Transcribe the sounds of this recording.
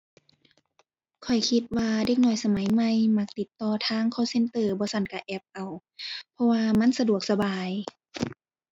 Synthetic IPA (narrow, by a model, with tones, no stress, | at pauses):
kʰɔ˨˩jkʰi˧t̪̚waː˧de˧k̚nɔː˧˩jsa˧ma˨˦jma˧˨jma˧˥k̚t̪i˨˧˦t̪ːɔː˧t̪ʰaː˧˥˨ŋkʰɔː˧˥˩wse˧˨nt̪ɤː˧˩bɔː˧˦sa˧˩˨nka˧˩ʔɛ˧˩p̚ʔa˨˩w | pʰɔ˧waː˧ma˧˥˨nsa˧du˨˩ək̚sa˧baː˨˩j